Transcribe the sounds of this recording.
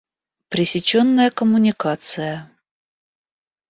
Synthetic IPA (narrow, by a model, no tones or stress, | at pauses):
pɾʲɪsʲɪt͡ɕonːəjəkəmʊnʲɪkat̪sɨjə